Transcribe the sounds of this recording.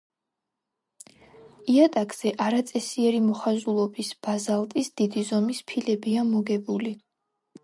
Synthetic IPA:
iat̪ʼakʼz̥ɛʔaɾat̪sʼɛsiɛɾimɔχazulˠɔbisb̥azalˠt̪ʼisd̪̥id̪izɔmispʰilɛbiamɔɡɛbuli

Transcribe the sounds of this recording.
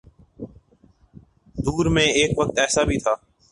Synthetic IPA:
d̪uːɾmẽːeːkʋək̚t̪ɛːsaːbʱiːt̪ʰaː

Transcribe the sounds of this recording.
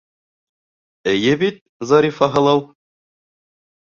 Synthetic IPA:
ɘ̆jɘbit̪̚ | zɑɾʲifɑɦɤ̆lˠɑwˠ

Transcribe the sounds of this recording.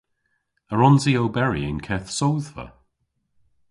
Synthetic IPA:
əɹɔnziowbɛɹḭɪ̰nkʰɛθsowðvə̰

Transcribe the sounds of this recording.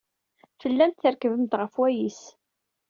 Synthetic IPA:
fəlːænt̪θəɾkəvəmt̪ʁəfwæjis

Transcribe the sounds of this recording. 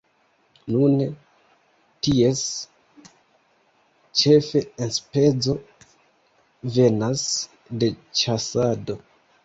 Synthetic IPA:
nun | tie̞s | t͡ʃe̞fe̞enspe̞d͡zo̞ | ve̞nas | de̞t͡ʃasado̞

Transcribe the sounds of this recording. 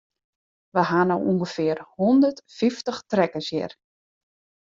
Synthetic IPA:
ʋəɦanɔwuŋɡəfɪərhɔndərtfiftəxtrɛkəsjɪ̰r

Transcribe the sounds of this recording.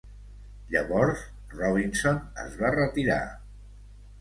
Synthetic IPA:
ʎəβɔɾs | rɔβ̞insonə̰zβarət̪iɾa̰

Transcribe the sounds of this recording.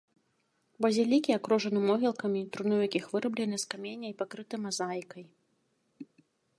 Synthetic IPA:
bɐzʲalʲikʲiakɾɔʐɐnɨmɔɣʲilˠkɐmʲit̪ɾunɨwjakʲixvɨɾɐblʲɛnɨskamʲenʲːɐjipakɾɨt̪ɨmazajkɐj

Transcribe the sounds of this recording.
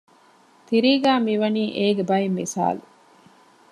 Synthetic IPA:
t̪iɾiːɡæːmiʋɐniːʔeːɡebɐjemːisa̰ːlu

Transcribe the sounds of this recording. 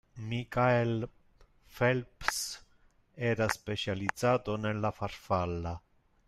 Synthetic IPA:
mikael | felps | eɾasːpet͡ʃialidz̥at̪onelːafaɾfalːa

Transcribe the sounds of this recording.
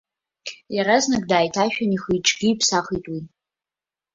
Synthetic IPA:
jaɾaznɨk̚ʼdaːjtʰaʃᶣaniχiʈ͡ʂʼɡʲiːpʰsaχitʼwi

